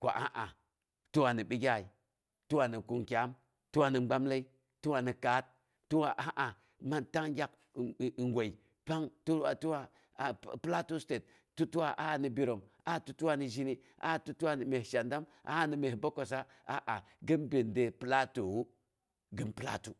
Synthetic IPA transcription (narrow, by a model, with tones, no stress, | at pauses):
ko̰˨ʔa̰˦ʔa˨ | tu˦wa˨ni˨ɓi˦ɡʲa˦˨i˨ | tu˦wa˨ni˨ku˨ŋkʲa˨˦m | tu˦wa˦˨ni˨ŋ͡mɡ͡ba˦mla˦i˦ | tu˦wa˨ni˨ka˨˦t̚ː | u˦wa˨ʔa˨˦ʔa˨ | ma˦nta˦ŋɡʲa˦k̚ | ŋɡʷo˨i˨ | pa˦ŋtu˦a˨tu˦wa˦˨ | pla˦tu˦ste˨t̚ | tːu˦tu˦wa˨ʔa˦˨ni˨bi˨ɾo˨m | a˦˨tu˦tu˦wa˦ni˨ʒi˦ni˦ | ʔa̰˦˨tu˦tu˦wa˦ni˨me˨hʃa˨nda˦mʔa̰˦ni˨me˨hbo˦ko˨sa˦ | a̰˦ʔa˨ | ɡi˦nbi˨nde˨pɨ˦la˦to˨wu˦ | ɡi˦mpɨ˦la̰˦tu˦